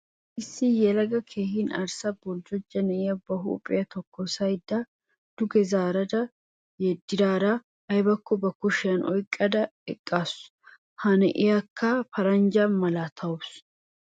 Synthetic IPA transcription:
ʔɪsːɪjɛlɐɡɐkʰeːhinɐ̰ɾsɐbɔld͡ʒɔd͡ʒːɐnɛɪjɐbɐɦṵːpʼːɪ̰jɐt̪ɔkʰːɔsɐjd̪a | d̪̥ʊɡɛzaːɾɐd̪ɐ | jɛd̪ːɪd̪aːɾɐ | ɐjbɐkːɔbɐkʊʃɪjɐnʔɔ̰jkʼːɐd̪ɐɛkʼːas | hɐnɛʔɪjakʰːɐfɐɾɐnd͡ʒɐnmɐlaːt̪ʰɐʊs

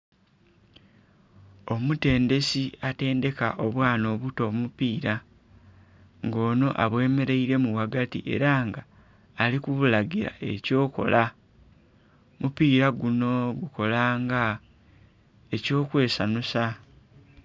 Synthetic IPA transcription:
o̞mute̞ːnde̞siate̞ːnde̞ka̰ʔo̞βwaːno̞ːβuto̞mupiːɾa | ŋɡo̞ːno̞ʔaβwe̞ːme̞ɾe̞iɾe̞muɣwaɡatḭʔe̞̰ɾaŋɡaː | likuβulaɡiɾa̰ʔe̞co̞ːko̞̰lʔa | mupiːɾaɡuno̞ɡuko̞laːŋɡa | e̞co̞ːkwe̞ːsanusa

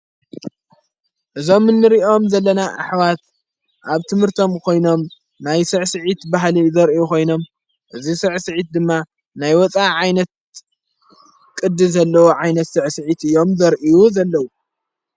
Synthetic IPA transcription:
ʔɨzo̞mːɨnːɨɾio̞mzɐlːɐnaʔa̰ħwat̪ | ʔaβt̪ʰɨmhɨɾt̪ʰo̞mkʰo̞jno̞m | najsɨʕsɨʕit̪baɦlizɐɾʔijukʰo̞jno̞m | ʔɨzisɨʕsɨʕit̪̚d̪ɨmːa | najwɔt͡sʼaʕajnɐt̪̚ | kʼɨd̪ːɨzɐlːɐwoʕajnɐt̪sɨʕsɨʕit̪ɨjːo̞mzɐɾʔijuzɐlːɐwu

